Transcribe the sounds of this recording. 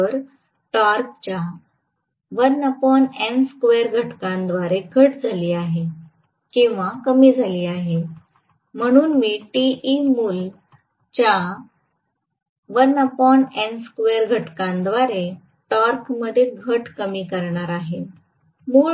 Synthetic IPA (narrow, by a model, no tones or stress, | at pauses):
əɾ | ʈaɾk̚t͡ɕja | ʋənapɔɳenskʋeɾɡʱəʈkãnd̪ʋaɾeɡʱəʈd͡zʱaliːaɦe | kĩw̃ʋakəmiːd͡zʱaliːaɦe | m̤əɽ̃uːnmiːʈiimuːl | t͡ɕa | ʋənapɔɳenskʋeɾɡʱəʈkãnd̪ʋaɾe | ʈaɾkməd̪ʱjeɡʱəʈkəmiːkəɾɳaɾaɦe | mu